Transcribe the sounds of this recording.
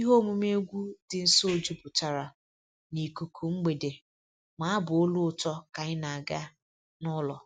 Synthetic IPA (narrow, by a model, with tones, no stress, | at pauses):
i˦ɦo˦mu˦m˦e˦ɡʷu˦dɪ˨n̩˦so˦˨d͡ʒu˦pʊ˨ta˨ɾa˨ | ni˨ku˨kʰu˨ŋ͡m̩˦ɡ͡be˨de˨ | ma˨˦a˦bʊ˨o˦lʊ˦ʊ˨tɔ˦ka˨ɲɪ˦na˨a˨ɡa˦ | nɔ˦lɔ˨